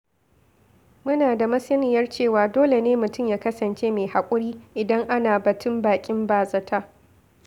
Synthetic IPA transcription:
mʊ˦naː˨da˨mɐ˦sɐ˦nɪ˨jɐ˦rt͡ʃeː˦˨waː˨doː˦le˨neː˦mʊ˨tʊ˦˨mjaː˨kɐ˦sɐ˨nt͡ʃeː˦me˨ha˨kʷʼʊ˦ɽiː˦ʔɪ˨dɐ˦ŋʔa˦naː˨bɐ˨tʰʊ˦mbaː˨kʲʼɪ˦mbaː˨zɐ˨tʰa˦

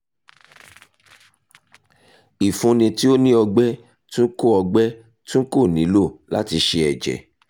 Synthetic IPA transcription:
i˨fũ˧nĩ˧ti˦o˦nĩ˦ɔ˧ɡ͡bɛ˦ | tũ˦ko˦˨ɔ˧ɡ͡bɛ˦ | tũ˦ko˦˨nĩ˨˦lo˦˨la̰˦ti˧ʃe˧ɛ˨d͡ʒɛ̰˨

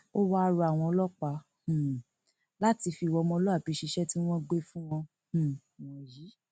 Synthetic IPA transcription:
o˦wa˦˧ɾu˧a˨w̃ɔ̃˧ɔ˧lɔ˦k͡pa˧˦ | hũ˨ | la˦ti˧fi˧˨wɔ˧mɔ̃˧˦lɔ˦a˦˨pi˨˧ʃi˧ʃɛ˦ti˦w̃ɔ̃˦ɡ͡be˦fũ˦w̃ɔ̃˧˨ | wɔ̃˨ji˨˦

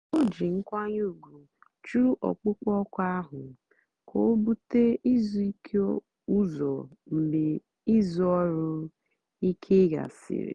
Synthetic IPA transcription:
o˦d͡ʒi˨ŋ̩˦kʷa˦ɲ˦u˦˨ɡu˨ | t͡ʃu˦ɾu˦ʔɔ̰˨k͡pʊ˦kɔ˦kʷa˦ɦʊ˨ | kʰo˨˦bu˦te˦i˦zu˦i˦kʰe˦ | u˦zɔ̰˨m̩˨be˨ | i˦zu˦ɔ˦ɾʊ˦ | i˦kʰe˦ɡa̰˨sɪ̰˨ɾɪ̰˨

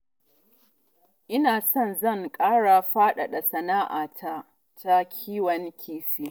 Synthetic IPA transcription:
ʔɪ˦naː˨sɔ˦nzɐ˦˨ŋkʼaː˦ɽa˨ɸaː˦ɗa˨ɗa˨sɐ˨naː˦ʔa̰ː˨tʰa˦ | ta˦kʲʰiː˦wɐ˨ŋkʲʰiː˦siː˦

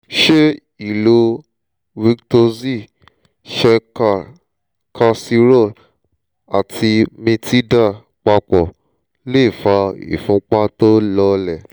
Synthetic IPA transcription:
ʃe˦ | i˦˨lo˧ | wi˧kto˧zi˦˨ | ʃɛ˧ka˧ | kʰa˧si˧ɾo˦˨ | a˨tʰi˧mĩ˧ti˦da˦˨ | k͡pa˧k͡pɔ˨ | le˦˨fa˧ḭ˨fũ˨˦k͡pa˦to˦lɔ˧˦lɛ˨

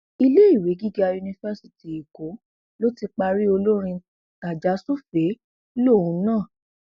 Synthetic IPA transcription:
i˧le˦i˦˨we˨˦ɡi˦ɡa˧ju˧nĩ˧fɛ˦si̥˦ti˨i˨ko˨˦ | lo˦ti˧k͡pa˧ɾi˦o˧lo˦ɾ̃ĩ˧ | ka˨d͡ʒa˨˦su˦fe˨˦ | lo˦˨ũ˨˦nãː˦˨

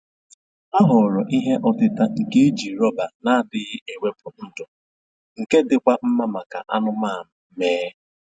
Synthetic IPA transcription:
a˦ɦʊ˨ɾɔ˨ʔi˦ɦe˦ʔɔ˦tɪ˦ta˦ŋ̩˨ke˦e˦d͡ʒi˨ɾɔ˦ba˨na˦a˦˨dɪ˨ɣɪ˦e˨we˦pʊ˨n̩˦dʊ˨ | ŋ̩˨ke˦dɪ˨kʷa˦m̩˦ma˦ma˨ka̰˨ʔa˦nʊ˦maː˦˨m̩˦meː˦

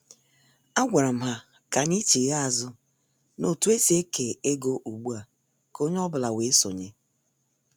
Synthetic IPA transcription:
a˦ɡʷa˨ɾa˨m̩˦ɦa˦ | ka˨ni˦t͡ʃi˨ɣa˦a˨zʊ˦ | no˨tu˦e˦si˦e˦ke˨e˦ɡo˦ʔu˨ɡ͡bu˦a˨ | ko˦ɲ˦ɔ˦bʊ˨la˨we˨˦so̰˨ɲe˦

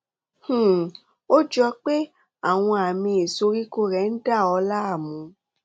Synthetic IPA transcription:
h̩˦˨ | o˦d͡ʒɔ˧k͡pe˦ | a˦˨w̃ɔ̃˧a˨mĩ˧e˨so˧ɾi˦ko˦ɾɛ˧˦n̩˦da˦˨ɔ˧la˦a˦˨mũ˧

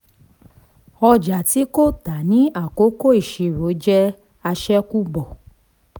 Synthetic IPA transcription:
ɔ˧d͡ʒa˨ti˨˦ko˦ta˨nĩ˨˦a˦˨ko˨˦ko˦i˦˨ʃe˨˧˨ɾo˨˦d͡ʒɛ˦ | a˧ʃɛ˦ku˦ɡ͡bɔ˨

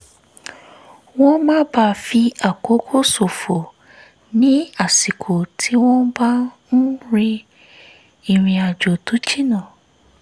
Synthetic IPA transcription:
wɔ̃˦mãː˦ba˧fi˧a˨ko˨˦kʰo˦so˨fo˨ | nĩ˦a˦˨si˨kʰo˨tʰi˨˦wɔ̃˦ba˦ | n̩˦ɾi˧ | i˨ɾ̃ĩ˧a˨d͡ʒo˨tu˨˦t͡ʃi˦nã˦˨

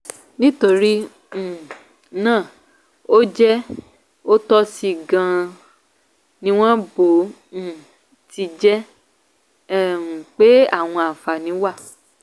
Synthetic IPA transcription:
nĩ˦to˧ɾĩ˦˨ | nãː˦˨ | o˦d͡ʒɛ˦ | o˦tɔ˦si˦˨ɡã˧ | nĩ˦w̃ɔ̃˦bõ˨˦˨ | ti˧d͡ʒɛ˦˨ | ũ˨k͡pe˦a˦˨w̃ɔ̃˧a˨fa˨nĩ˨˦wa˦˨

